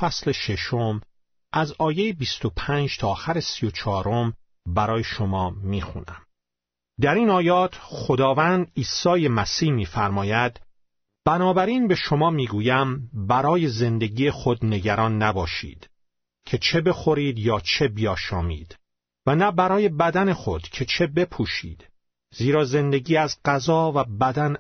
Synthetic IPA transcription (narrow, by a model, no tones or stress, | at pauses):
fæsle̞ʃe̞ʃo̞m | ʔæzɒːje̞jebist̪o̞pʰæːnd͡ʒt̪ʰɒːxæɾesijo̞t͡ʃʰɒːɾom | bæɾɒːje̞ʃo̞mɒːmiːxṵnæ̰m | d̪æɾiːnɒːjɒːt̪ʰxo̞d̪ɒːvæːnd̪iːsɒːje̞mæsiːhmiːfæɾmɒːjæd̪ | b̥ænɒːbæɾiːnbe̞ʃo̞mɒːmiːɡuːjæmbæɾɒːje̞ze̞nd̪e̞ɡiːexo̞d̪ne̞ɟæɾɒːnːæbɒːʃḭːd̪̥ | cʰe̞t͡ʃʰe̞be̞xo̞ɾiːd̪jɒːt͡ʃʰe̞bijɒːʃɒːmḭːd̪̥ | vænæbæɾɒːje̞bæd̪æne̞xo̞d̪̥cʰe̞t͡ʃʰe̞be̞pʰuːʃḭːd̪̥ | ziːɾɒːze̞nd̪e̞ɡiːæzɢæzɒːvæbæd̪æn